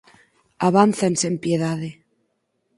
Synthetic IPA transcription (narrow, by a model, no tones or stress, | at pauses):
aβanθense̞mpjeðaðe